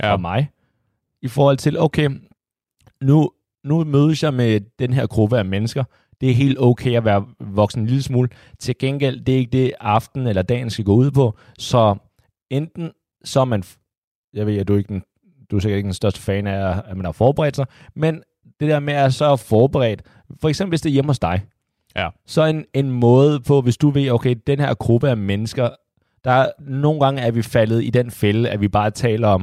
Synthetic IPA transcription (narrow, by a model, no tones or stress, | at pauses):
ɒmɑ̈ɪ | ifɒːhɒ̽l̰t͡sʰe̝loʊkʰeː | nu | numøːð̞ˠəsjɑ̈ɪmed̥enɦeɐ̰ɡ̥ʁub̥əæmenəsɡ̥ɐ | d̥e̝æɐɦe̝̰ːld̥ɔʊkʰḛːɪæʋæːɐʋɒ̽ɡ̥sn̩enliləsmuːl | t͡sʰe̝ɡ̥enɡ̥el̰d̥e̝æɐe̝ɡ̥əd̥e̝ɑ̈fd̥n̩elɐd̥ɛ̰ːnsɡ̥æɡ̥ɔ̰̽ːuð̰ˠpʰɒ̽ | sɒ̽ | end̥n̩ | sɒmæn | jɑʋe̝ðæd̥ue̝ɡ̥əd̥en | d̥useɡɐd̥eɡ̥əd̥ensd̥ɶɐsd̥ə̥fɛːnæɐmend̥ɑfɒːb̥eʁɛ̰ːd̥sɑ̈ɪmen | d̥e̝d̥eɐmeæɐsɒ̽fɒːb̥əʁɛ̰ːd̥ | fɒ̽eɡ̥semb̥l̩ʋe̝sd̥e̝jemhɒ̽sd̥ɑ̈ɪ | sɒ̽ene̝nmɔ̽ːð̞̩ˠpʰɒ̽ʋe̝sd̥uʋe̝̰oʊkʰeɪd̥enheɐ̰ɡ̥ʁub̥əæmenəsɡ̥ɐ | d̥ɑ̈no̝ːn̩ɡ̥ɑ̈ŋəæɐʋifælð̩ˠid̥enfeləæʋib̥ɑ̈ːt͡sʰɛ̰ːlɐɒ̽m